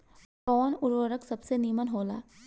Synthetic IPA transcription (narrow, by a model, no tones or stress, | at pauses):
kɔːnʊɾwəɾəksɐbseniːmənɦoːla̰ː